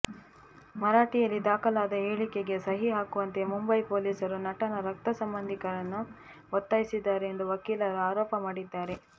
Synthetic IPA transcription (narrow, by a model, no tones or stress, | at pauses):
mɐɾaːʈijɐlːid̪aːkɐlaːd̪ɐeːɭike̞ɡe̞sɐɦiɦaːkuʋɐnt̪e̞mumbɐjpoːliːsɐɾunɐʈɐnɐɾɐk̚t̪ɐsɐmbɐnd̪ʱikɐɾɐnːu | ɔt̪ːaːjisid̪ːaːɾeːnd̪uʋɐkiːlɐɾɐaːɾɔːpɐmaːɽid̪ːaːɾe̞